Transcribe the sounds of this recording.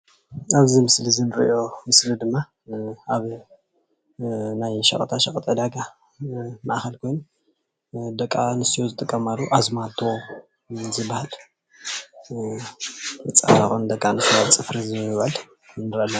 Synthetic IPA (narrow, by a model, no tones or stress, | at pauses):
aβzimɨslizɨnɨɾḭjo̞mɨslid̪ɨmːa | aβ | najʃɐ̰χʼt̪ʰaʃɐkʼt̪ʼed̪aɡa | ma̰ʔxɐlkʰo̞jn | d̪ɐkʼːanɨsijozɨt̪ʼɨkʼːɐmalːuʔazmat̪ʰːuwo | zɨbahal | ɨt͡sʼɐ̰faxond̪ɐkʼːanɨsat͡sʼɨfɾizmɨβaal | nɨɾalːɐ